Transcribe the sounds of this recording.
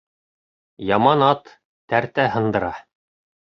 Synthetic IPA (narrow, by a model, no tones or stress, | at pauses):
jɑmɑnɑt̪ː | æɾt̪æhɤ̆nd̪ɤ̆ɾɑ